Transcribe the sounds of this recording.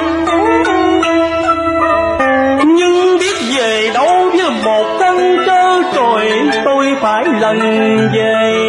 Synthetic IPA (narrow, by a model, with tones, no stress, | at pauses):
ɲɨ˧ŋɓi˦˥ət̚ve˨˩ɗə˨˧˦wvɨ˧˦mo˨˩t̚t̪ʰə˧nt͡ɕəː˧t͡ɕo˨˩jt̪o˧jfaː˧˩jlə˨˩n | ve˨˩